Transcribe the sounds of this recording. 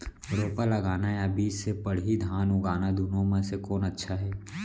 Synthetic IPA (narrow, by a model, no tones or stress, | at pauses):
ɾoːpəlɐɡaːnajabiːd͡ʒsepəɽ̤ɦid̪ʱaːnʊɡaːnad̪unõmẽsekɔːnɐtːʃʰaɦɛː